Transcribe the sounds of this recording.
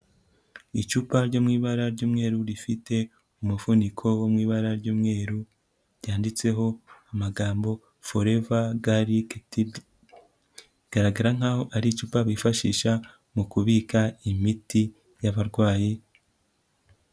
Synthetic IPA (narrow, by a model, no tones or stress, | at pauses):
it͡ʃuːpaɾɟoːmŋiːβaɾaɾɟoːmŋe̞ːɾuɾifite̞ | umufunikʰo̞womŋiːβaɾaɾɟoːmŋe̞ːɾu | ɾjaːndit͡se̞ɦo̞amaɡaːmbo̞ | foɾe̞vaɡaɾi | ɡ̥aɾaɡaɾaŋ̥ahoʔaɾit͡ʃuːpaβifaʃḭːʃa | mukuβiːkaimiti | jaβaɾɡwaːji